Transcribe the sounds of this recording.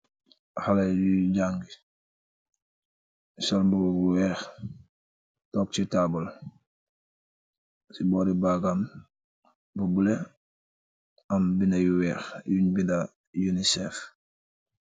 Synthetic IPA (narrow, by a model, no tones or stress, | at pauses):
halaɟuɟaŋɡi | sɔlmbuɡuɡuwɛːx | tɔk̚t͡ʃitabul | sibɔːɾibaɡam | bubule | ɐmbinɐjuwɛːxjuɲbinda | junisɛːf